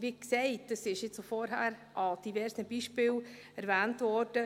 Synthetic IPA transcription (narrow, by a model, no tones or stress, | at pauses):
ʋiksɛɪt̚d̥ɑsɪʃjɪt͡sofɔɾɦæːɾʔɑd̥ivɛɾsəbiʃpɪːl | ɛɾvæːntvɔɾd̥ə